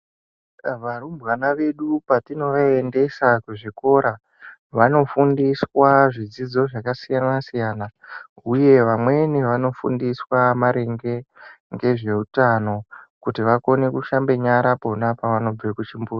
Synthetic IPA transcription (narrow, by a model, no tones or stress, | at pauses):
ʋarumbwanaʋe̞ɗupatino̞ʋaende̞sakuʐiko̞ɾa | ʋano̞fundiswaʐid͡zid͡zo̞ʐakasijanasijaːna | uje̞ʋamwe̞niʋano̞fṵndiswamaɾe̞ŋɡe̞ | ŋɡe̞ʐe̞utano̞kutiʋako̞ne̞kuʃambe̞ɲaɾaponapaʋano̞b͡vekut͡ʃimbuːra